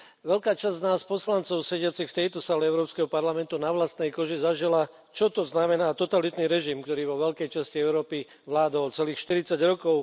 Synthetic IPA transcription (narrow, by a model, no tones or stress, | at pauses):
ʋɛlkaːt͡ʃazznaːspɔslant͡sɔʊsɛɟɪat͡sixft̪ɛjt̪ɔsaːlɛɛʊɾɔːpskɛɦɔpaɾlamɛnt̪unaʋlast̪nɛjkɔʒizaʒila | t͡ʃɔt̪ɔznamɛnaːt̪ɔt̪alit̪niɾɛʒimkt̪ɔɾiːʋɔʋɛlkɛjt͡ʃasciɛʊɾɔːpi | ʋlaːd̪ɔlt͡sɛliːxʃt̪iɾit͡saɟɾɔkɔʊ